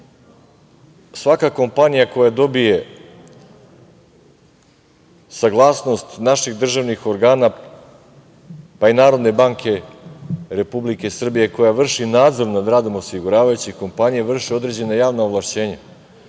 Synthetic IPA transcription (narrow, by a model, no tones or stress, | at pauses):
sʋakako̞mpanijako̞jad̪o̞bije̞ | saɡlˠaːsno̞st̪naʃiɣd̪r̩ʒaʋnixo̞ɾɡaːna | painaːɾo̞d̪ne̞baːŋkʰe̞ | ɾe̞publike̞sr̩bije̞ko̞jaʋr̩ʃinaːd̪zo̞ɾnad̪ɾaːd̪o̞mosiɡuɾaːʋajut͡ɕixko̞mpanijaʋr̩ʃio̞d̪ɾe̞d͡ʑe̞najaːʋnaoʋlˠaʃt͡ɕe̞ːɲa